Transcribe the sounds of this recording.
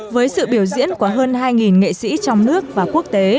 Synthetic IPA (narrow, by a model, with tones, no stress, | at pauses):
vəː˨˦jsɨ̰˧˨ɓi˧˩əwzḭ˧˥ənku˧˨˩əɦəː˧nhaː˧jŋi˨˩nŋḛ˧˨sḭ˧˥t͡ɕɔ˧wŋ͡mnɨ˦˥ək̚vaː˨˩ku˦˥ək̚t̪e˨˦